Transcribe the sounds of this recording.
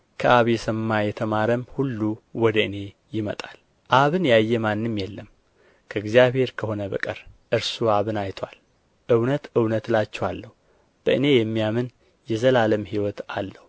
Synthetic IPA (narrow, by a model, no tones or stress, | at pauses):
kʰəʔaβjɛsəmːajɛt̪ʰəmaɾəmhulːuwɔd̪əɨne̞ | jɪmət̪ʼal | ʔaβɨnjajːɛmanːɨmjɛlːəm | kʰəɨɡzijaβhe̞ɾkʰəho̞nəbə̰kʼɨɾʔɨɾsuaβɨnajt̪ʰwal | ʔɨwnət̪ʔɨwnət̪lat͡ʃːɛwalːəhu | b̥əʔɨne̞jɛmːijamɨn | jɛzəlaləmhiwɔt̪alːəhu